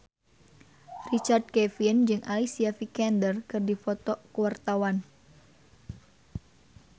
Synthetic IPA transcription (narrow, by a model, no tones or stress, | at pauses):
rit͡ʃard̪̚kɛfind͡ʒɨŋʔa̰lisiafikɛndərkɨrdifɔt̪ɔkəwart̪awan